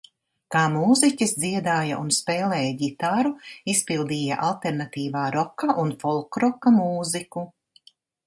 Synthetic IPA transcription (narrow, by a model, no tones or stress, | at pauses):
kaːmuːzicisd̪ziɛd̪aːjaʔunspeːlɛːjaɡit̪aɾuispilˠd̪iːja̰ʔalˠt̪eɾnat̪iːvaːɾɔkaʔunfɔlˠkɾɔkɐmuːziku